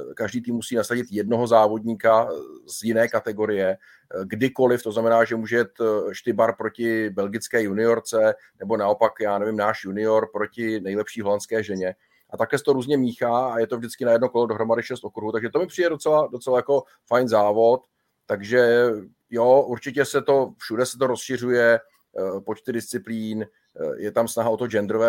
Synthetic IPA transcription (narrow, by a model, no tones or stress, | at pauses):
kaʒdiːt̪iːmːusiːnasaɟɪt̪jɛdno̞ɦo̞zaːvo̞dɲiːkaz̥jɪnɛːkat̪ɛɡo̞ɾɪjɛ | ɡdɪko̞lɪft̪oznamɛnaːʒɛmuːʒɛjɛt̪ʃt̪ɪbaɾpɾo̞cɪbɛlɡɪt͡skɛːjunɪo̞ɾt͡sɛ | nɛbo̞naopakjaːnɛvɪmnaːʃjunɪo̞ɾpɾo̞cɪnɛjlɛpʃiːɦo̞lant͡skɛːʒɛɲɛ | ʔat̪akɛːsɛt̪oɾuːzɲɛmiːxaːajɛt̪o̞vdɪt͡skɪnajɛdnoko̞lodoɦɾo̞madɪʃɛst̪ʔokɾuɦut̪aɡʒɛt̪omɪpr̥ɪjdɛdot͡sɛlado̞t͡sɛlajako̞ | fajnzaːvo̞t̪ː | aɡʒɛ | joʔuɾt͡ʃɪcɛsɛt̪o̞fʃudɛsɛ̥t̪o̞ɾo̞sʃɪr̝ujɛ | po̞t͡ʃt̪ɪdɪst͡sɪpliːn | jɛt̪amsnaɦao̞t̪od͡ʒɛnd̪ɾovɛː